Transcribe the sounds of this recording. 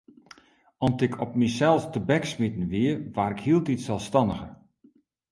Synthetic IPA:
ɔntɪkʰɔp̚misɛlˠstəbɛksmitən̩ʋiəʋaːɾɪkhiəlˠtitsɛlˠfstɑndəɣə

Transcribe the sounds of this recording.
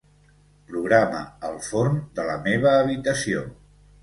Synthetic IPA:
pɾuɣɾamə̰əlˠfoɾnd̪ələmeβ̞əːβit̪əsio

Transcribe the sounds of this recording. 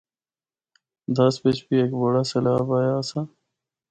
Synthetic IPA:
d̪ɐspet͡ʃpieːkboːɽaːsɐlaːbaːjasa

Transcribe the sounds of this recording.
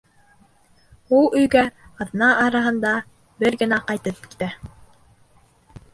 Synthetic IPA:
ulˠɵ̆jɡæɑðnɑʔːɾɑɦɤ̆nd̪ɑ | bɘɾɡɘ̆næqɑjt̪ɤp̚ki̥t̪æ

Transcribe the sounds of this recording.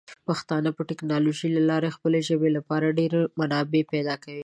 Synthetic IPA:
paxt̪ɑnəpəʈɪknɑloʒilalɑɾexpəleʒəbelapɑɾaɖeɾemanɑbepɛd̪ɑkawi

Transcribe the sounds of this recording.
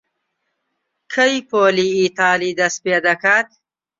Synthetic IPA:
kʰəjpoːliːt̪ɑːlid̪asped̪akat̪̚

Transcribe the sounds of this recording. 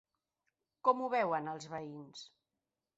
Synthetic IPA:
kɔmuβɛwənəlˠzβəins

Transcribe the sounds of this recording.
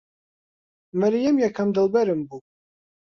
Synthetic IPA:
mɛɾijɛmjɛkʰɐmd̪ɨlˠbɛɾɨmbu

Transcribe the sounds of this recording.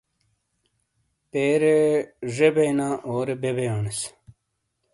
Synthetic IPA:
peːɾeʐebejnaːʔoːɾebebejaːnes

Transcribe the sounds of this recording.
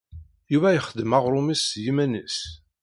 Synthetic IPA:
juvæjəχəd̪ːəmaʁɾˤʊmisjimænis

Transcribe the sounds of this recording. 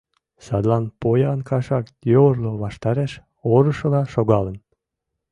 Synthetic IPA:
sɑd̪lɑnpojɑnkɑʃɑk̪joərloβɑʃt̪ɑɾeʃ | oɾəʃɤ̆lɑʃoɣɑlən

